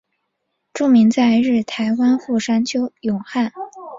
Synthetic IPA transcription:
ʈ͡ʂu˥˩mi˧˥ŋt͡sa˥˧ɪɻɻ̩˥˩t̪ʰa˧˥ɪwa˥nxu˥˩ʂa˥nt͡ɕʰjo˥ʊjʊ˨˩ŋxa˥˩n

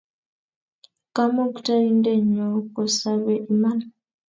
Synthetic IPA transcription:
ka˦mo˦kta˦i˦ndɛ˦˨ɲɔ˨kɔ˨sa˦βɛ˨ʔi˨ma˦na˨

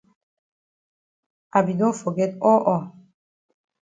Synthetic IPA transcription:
a˨bi˨d̪ɔ̃˦fɔ˨ɡɛ˦t̪ɔ˦ʔɔ˨

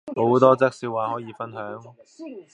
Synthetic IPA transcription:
ho˨˥wt̪ɔː˥t͡sɐ˥k̚siː˧waː˨ɦɔː˨˥jiː˧fɐ˥nɦœː˨˥ŋ

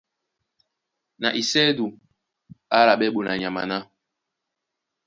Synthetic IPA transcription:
na̰˨ʔi˨sɛ˦du˨ | a˦la˨ɓɛ˦ɓu˨na˨ɲa˨ma̰˨na˦

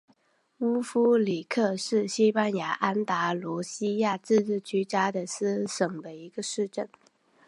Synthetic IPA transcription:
u˥fu˥li˨˩kʰɤ˥˧ʂɻ̩˥˩ɕi˥pa˥nja˧˥ʔa˥nt̪a˧˥lwɔ˧˥ɕi˥ja˥˧t͡sɹ̩˥˧ɻɻ̩˥˩t͡ɕy˧˥t͡ɕja˥d̪ə˨s̩˥ʂɤ˨˩ŋd̪ə˦i˧˥ɡə˧ʂɻ̩˥˧ʈ͡ʂə˥˩n

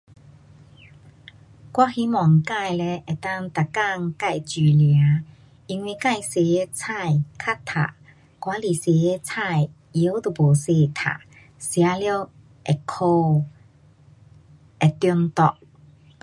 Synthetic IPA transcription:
kwa˥hi˧˦mɔ˨˩ŋka˥˧˨jle˧ʔɛ˨˩t̪a˥˧ŋt̪a˨˩ka˥˧ŋka˥˧˨jt͡ɕi˨˩lja˨˦ | i˧ŋwi˧ka˥˧˨jse˨e˧˦t͡sʰa˥˧jkʰa˥t̪ʰa̰˨˩ | kwa˧˦li˨˩se˨˩e˧t͡sʰa˥˧j | i˨˦wt̪o˨˩bo˨˩se˧˩t̪ʰa̰˨˩ | sja˨˧˦ljo˥˧˩ | ʔɛ˨˩kʰo˧ | ɛ˨˩t̪jɔ˧nt̪ɔ˧˩ʔ̚

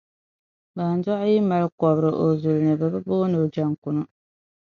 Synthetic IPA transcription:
baː˨n˦zɔ˦ʔji˦ma˨lkɔ˨bɾɨ˨ʔo˨zu˨lnɨ˨bɛ˨bɨ˦boː˦nɨ˨d͡ʒa˦˨ŋku˨nu˦

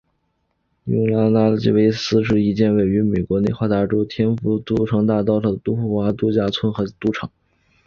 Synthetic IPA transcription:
jʊ˧˥ŋla˥na˥t͡ɕḭ˥˩we˥˩ɪsɹ̩˥ʂ̬ɻ̩˥˧i˧˥t͡ɕjɛ˥˧nwe˥˩ɪy˧˥me˨˩ɪkwɔ˧˥ne˥˧ɪxwa˥˩t̪a˧˥ʈ͡ʂo˥ʊt̪ʰjɛ˥nfu˧˥t̪u˥ʈ͡ʂʰɤ˧˥ŋt̪a˥˧t̪ɑ˥˧ʊʂɤ˥˩d̪ə˨t̪u˥xu˥˩xwa˧˥t̪u˥t͡ɕja˥˩t͡sʰwə˥nxɤ˧˥t̪u˧˥ʈ͡ʂʰɤ˨˩˦ŋ

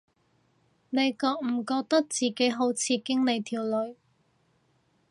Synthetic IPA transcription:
ne˨˧jkɔː˧k̚m̩˨˩kɔː˧k̚t̪ɐ˥k̚t͡siː˨ke˨˥jɦo˨˥wt͡sʰiː˨˧kɪ˥ŋne˨˧jt̪ʰiː˨˩wlɵ˨˧ɥ

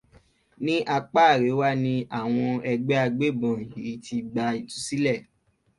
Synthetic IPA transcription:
nĩ˦ʔa˧k͡pa˦˨ɾe˨˦wa˦nĩ˧a˦˨w̃ɔ̃˧ɛ˧ɡ͡bɛ˦a˧ɡ͡be˦˨bɔ̃˨ji˨i˦ti˧ɡ͡ba˧i˨tu̥˨˦si˦lɛ˦˨

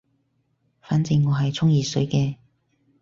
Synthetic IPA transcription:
faː˨˥nt͡sɪ˧ŋːɔː˨˧ɦɐ˨jt͡sʰʊ˥ŋjiː˨sɵ˨˥jkɛː˧

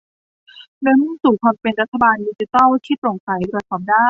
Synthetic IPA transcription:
lɯ˧˦˥mɯ˥˩ŋsuː˨˩kʰɔː˧npe˧nɾa˦˥t̪ʰːa˧baː˧ndiː˧t͡ɕi˧˥t̪ɔː˥˩wt̪ʰiː˥˩pɾo˨˩ŋsa˩˦jɾu˨˩t̪̚sɔː˩˦mdaː˥˩

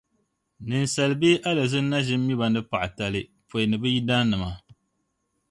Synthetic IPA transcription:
nɨ˨n˨sa˨lɨ˨beː˦ʔa˦la˨zɨ˦n˦na˦ʒɪ˦m˦mi˦ba˨n˦ɨ˦pa˨ʔa˨ta˨˦lɨ˦ | po˨nɨ˨bɨ˦ji˦da˦nɨ˨ma˨

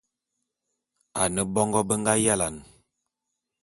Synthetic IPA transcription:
a˨nə˦bɔ˦ŋɡɔ˦bə˦ŋɡa˦ja˦la˨n

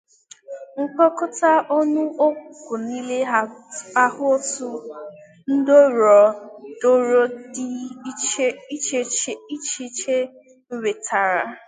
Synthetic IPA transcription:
ŋ̩˦k͡pɔ˦kʊ˦ta˦ʔɔ˦nu˦o˦kʷu˨kʷu˨ni˦le˦˨a˦hʊ˦o˦tu˦ | n̩˦do˦ɾɔ˨do˦ɾo˦di˦t͡ʃi˦t͡ʃe˦t͡ʃe˦i˦t͡ʃi˦t͡ʃe˦ | m̩˦ɾe˨tʰa˨ɾa˨

